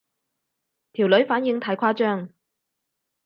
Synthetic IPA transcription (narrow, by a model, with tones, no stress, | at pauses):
t̪ʰiː˨˩wlɵ˨˥ɥfaː˨˥njɪ˧ŋt̪ʰaː˨˧jkʰaː˥t͡ʃœː˥ŋ